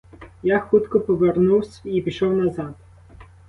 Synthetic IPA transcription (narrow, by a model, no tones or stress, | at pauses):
jaxut̪kɔpɔʋernuwsʲipʲiʃɔwnɐzɑd̪